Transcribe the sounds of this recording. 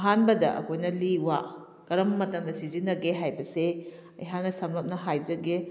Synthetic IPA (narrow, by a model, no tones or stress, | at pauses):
ɦanbɐdɐʔɐ̰kʰojnɐliwa | kɐɾɐmːɐtɐmdɐsizinːɐɡeɦajbɐse | ɐ̰jɦanːɐsɐmlɐp̚nɐɦajzɐɡe